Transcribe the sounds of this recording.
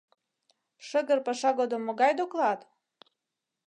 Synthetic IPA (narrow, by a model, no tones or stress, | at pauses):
ʃə̆ɣə̆rpɑʃɑɣod̪omːoɡɑjd̪oklɑt̪